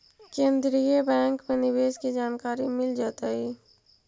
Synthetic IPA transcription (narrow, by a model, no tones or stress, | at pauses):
kẽːnd̪ɾijəbɛ̃ːŋkmẽnɪʋeːskid͡ʒaːnkaːɾimɪld͡ʒaːt̪aiː